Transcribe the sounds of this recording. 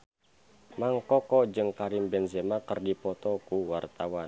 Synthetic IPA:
maŋkɔkɔd͡ʒɨŋkaɾimbɛnzemakərdipɔt̪ɔkuwart̪awan

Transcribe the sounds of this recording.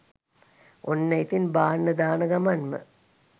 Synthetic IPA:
onːɐjt̪inbaːnːɐd̪aːnɐɡɐmɐnmɨ̰

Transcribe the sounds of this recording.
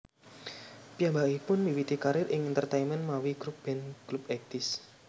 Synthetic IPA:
pijambakipʊnmiwit̪ikaɾɪɾʔɪŋɛnt̪ərt̪aimənmawiɡ̥ɾup̚b̥ɛnɡ̥ɾupɛk̚t̪ɪs

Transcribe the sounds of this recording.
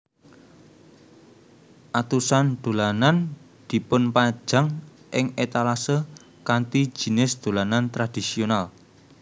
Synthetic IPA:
ʔat̪usand̪̥o̤lanan | d̪̥i̤pʊnpḁd͡ʒʒ̥a̤ŋ | ʔɪŋet̪alasə | kant̪i̥d͡ʒ̥i̤nɪsd̪̥o̤lanant̪ɾad̪̥isional

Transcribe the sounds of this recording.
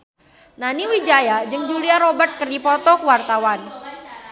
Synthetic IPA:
naniwid͡ʒajad͡ʒɨŋd͡ʒuliaɾobərt̪̚kərdipɔt̪ɔkəwart̪awan

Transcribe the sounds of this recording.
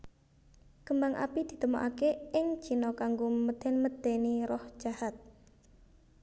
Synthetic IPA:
kəmbaŋʔa̰pid̪̥i̤t̪əmoʔakeʔɪŋ̥ʒ̥i̤nɔkaŋɡoməd̪̥ɛnməd̪̥eniɾɔhʒ̥ahat̪̚

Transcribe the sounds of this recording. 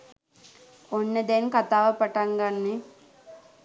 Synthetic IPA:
onːəd̪enkat̪aːʋəpaʈaŋɡanːe

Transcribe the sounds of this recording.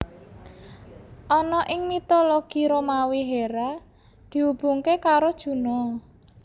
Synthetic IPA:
ʔɔnɔʔɪŋmit̪oloɡ̥i̤ɾomawiɦeɾa | d̪̥i̤ub̥ṳŋkekaɾod̥ʒ̥ṳnɔ

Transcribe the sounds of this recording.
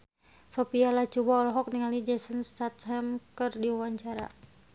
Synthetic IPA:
sɔpialat͡ʃubaɔlɔɦɔk̚niŋalid͡ʒɛsənst̪at̪ɦɛmkɨrdiuwaɲt͡ʃaɾa̰

